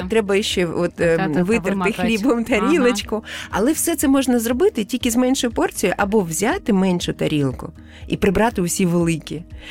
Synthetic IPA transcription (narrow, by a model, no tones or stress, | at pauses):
t̪ɾɛbɐjɪʃt͡ʃɛɔt̪ʋɪɪrt̪ɪxlʲibɔmt̪ɐɾʲilˠɐt͡ʃkʊɐ̰lˠɛwsɛt̪sɛmɔʒnɐzrɔbɪt̪ɪtʲilʲkʲɪzmɛnʲʃɔjʊpɔrt͡sʲijʊʔɐbɔwzʲat̪ɪmɛnʲʃʊt̪ɐɾʲilˠkʊ | ḭpɾɪbɾɑt̪ɪʊsʲiʋelˠɪkʲi